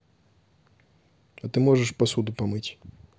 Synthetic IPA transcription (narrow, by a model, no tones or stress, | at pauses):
ɐt̪ɨmɔʐɛʂpɐsud̪ʊpɐmɨt͡sʲ